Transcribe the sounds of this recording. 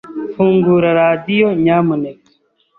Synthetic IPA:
fuːŋɡuːɾaɾaːd̪ijoɲaːmunek

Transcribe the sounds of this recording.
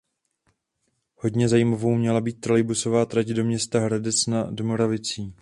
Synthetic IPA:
ho̞dɲɛzajiːmavo̞wmɲɛlabiːt̪̚ːɾalɪbuso̞vaːt̪ɾacdo̞mɲɛst̪aɦɾadɛt͡snadomo̞ɾavɪt͡siː

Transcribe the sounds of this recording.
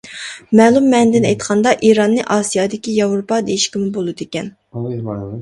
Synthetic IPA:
mɛːlˠumːɛnd̪ɪnɛjt̪qʰɑnd̪ɑʔiɾɑnːɨʔɑːsijɑd̪ɪkʲijɑvɾopɑd̪ejiʃkʲimɪbolˠɨd̪ekʲɛn

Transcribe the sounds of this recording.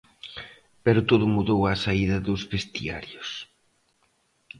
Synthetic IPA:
pɛɾʊt̪oðʊmuðowasaiðɐðozβest̪ḭa̰ɾjos

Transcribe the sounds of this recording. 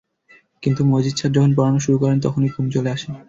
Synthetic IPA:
kint̪umod͡ʑid̪ʃʰaɾd͡ʑɔkʰonpɔɾanoʃuɾukɔɾent̪ɔkʰoniɡʱumt͡ɕoleaʃen

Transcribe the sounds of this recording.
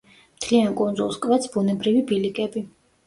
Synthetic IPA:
mt̪ʰliankʼund̪zulˠskʼvɛt̪sbunɛbɾivibilikʼɛbi

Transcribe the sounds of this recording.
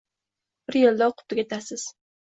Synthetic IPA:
b̥ɪɾjeld̪ɒwqʰʊ̥t̪ʰːɪɡʲat̪ʰasɪz̥

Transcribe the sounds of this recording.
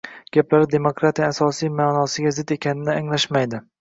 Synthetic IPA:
ɡ̥ʲaplaɾɪd̪e̞mokɾat̪ʰijaːsɒsijmaːnɒsɪɡʲazɪd̪e̞kʲʰanɪnɪaŋlaʃmajd̪ɪ

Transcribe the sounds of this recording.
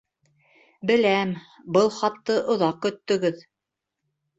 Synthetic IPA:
bɘ̆læm | bɤlˠχɑpt̪ɤʔŏðɑq̚kɵ̆t̪ːɵ̆ɡɵð

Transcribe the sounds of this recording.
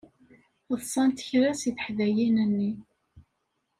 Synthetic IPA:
əðsˤɑnt̪ə̥çɾæsiθə̥ħðæjinənːi

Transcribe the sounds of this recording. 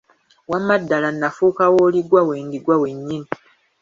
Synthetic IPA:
wamadːalanːafuːkawoːliɡwaweːndiɡwawe̞ɲːini

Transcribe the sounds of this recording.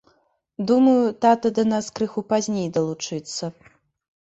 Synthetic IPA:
d̪umɐjut̪at̪ɐd̪ɐnaskɾɨxupazʲnʲejd̪ɐlˠut͡ʂɨt̪sːɐ

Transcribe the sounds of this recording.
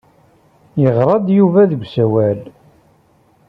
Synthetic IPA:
jəʁɾˤɑd̪ˤjuvæðəɡʷsæwæl

